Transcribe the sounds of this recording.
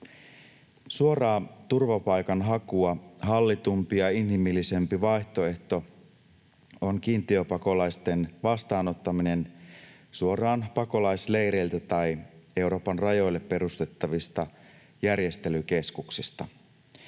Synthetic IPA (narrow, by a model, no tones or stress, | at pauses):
suo̞rɑːt̪urʋɑpɑjkɑnɦɑkuɑɦɑlːit̪umpijɑinɦimilːise̞mpiʋɑiçt̪o̞e̞ht̪o̞ | o̞nkiːnt̪iøpɑko̞lɑjst̪e̞nʋɑst̪ɑːno̞t̪ːɑmine̞n | suo̞rɑːnpɑko̞lɑjsle̞jɾe̞ilt̪æt̪ɑje̞uɾo̞ːpɑnrɑjo̞jlːe̞pːe̞ɾust̪e̞t̪ːɑʋist̪ɑ | jærje̞st̪e̞lyk̟e̞skuksist̪ɑ